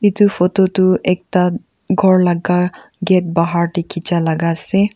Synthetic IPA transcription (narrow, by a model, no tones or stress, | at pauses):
itufʰɔtɔtʊʔɛk̚ta | ɡʱɔɹlaɡa | ɡɛt̚baɦaɹtekʰit͡ʃalaɡasɛ